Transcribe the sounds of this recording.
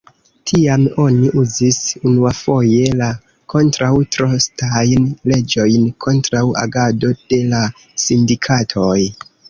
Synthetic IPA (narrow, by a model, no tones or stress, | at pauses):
tʰiamo̞niʔuzisunuafo̞je̞la | kʰo̞ntɾawtɾo̞stajnle̞d͡ʒo̞jnkʰo̞ntɾawa̰ɡado̞d̥e̞la | sindikʰatʰoj